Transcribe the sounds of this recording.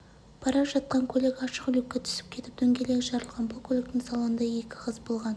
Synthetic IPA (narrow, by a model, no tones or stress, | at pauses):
pʰɑɾɑpʒɑt̪̚qɑŋkʲʰɵlekɑʃəqʏlɪkʲːet̪ʰʏ̥sɪ̥p̚kʲʰe̞t̪ɪp̚d̪̥ɵŋɡʲe̞le̞ɡʲɪʒɑɾəlˠʁɑnbʊlˠkʲʰɵlek̚t̪ɪŋsɑlˠəənd̪ɑe̞kʲɪqʰəzbo̞lˠʁɑn